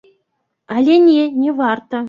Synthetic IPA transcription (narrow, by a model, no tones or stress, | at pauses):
ɑlʲenʲenʲeʋɑrt̪ɤ̆